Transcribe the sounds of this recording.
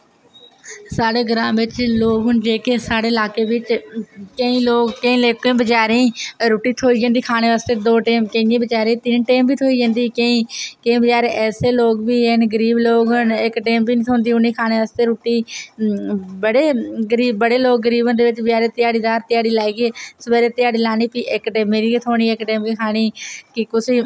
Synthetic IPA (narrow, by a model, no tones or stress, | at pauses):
saːɽeːɡɾãːmʋɪt͡ʃloːɡɦʊnd͡ʒeːkeːsaːɽeːɪlaːkeːʋɪt͡ʃkəĩːloːɡkəĩːleːkĩːbəd͡ʒaːɾẽːɾoːʈiːt̪ʰoːiːd͡ʒãːnd̪iːkʰaːneːʋaːst̪eːd̪oːʈeːmkəĩẽːbəd͡ʒaːɾẽːt̪ɪnʈeːmbʱiːt̪ʰoːiːd͡ʒə̃ːnd̪iːkəĩːkəĩːbəd͡ʒaːɾeːʔɛːseːloːɡbiːeːnɡəɾiːbloːɡənɪkʈeːmbiːnːt̪ʰoːnd̪iːʊniːkʰaːneːʋaːst̪eːɾoːʈiː | bəɽeːɡəɾiːbːəɽeːloːɡːəɾiːbənd̪eːʋɪt͡ʃbəd͡ʒaːɾeːt̪ɪjaːɽiːzaːɾt̪ɪjaːɽiːlaːiːɡeːsəbeːɾeːt̪ɪjaːɽiːlaːniːpiːʔɪkʈeːmeːɾiːt̪ʰoːɽ̃iːɪkʈeːmbiːkʰaːɽiːkɪkʊsiː